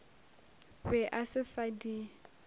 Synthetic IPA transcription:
wɛʔasɪsadi

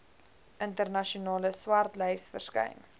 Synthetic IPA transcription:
ʔəntərnɐʃiunɑːləswɐrtlɛjsfərskɛ̰jn

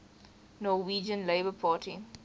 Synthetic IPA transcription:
nɔwiːd͡ʒə̃nleɪbəpʰaːtʰi

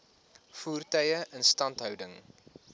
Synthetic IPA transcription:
fuːrtœjəʔənstɐntɦœwdəŋ

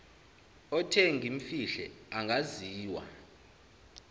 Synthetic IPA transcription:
ɔtʰɛŋɡʱim̩fiɬɛ̰aŋɡʱaziːwa̰

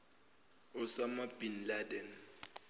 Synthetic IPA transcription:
ʊsamab̥inladɛn

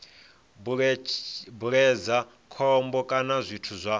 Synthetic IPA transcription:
buɾɛd͡za | kʰɔmbɔkʼanazʷitʰuzʷa

